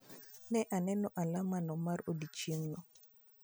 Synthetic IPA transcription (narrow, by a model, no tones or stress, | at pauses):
nɛʔanɛnɔʔalamanɔmaɾodit͡ʃiŋnɔ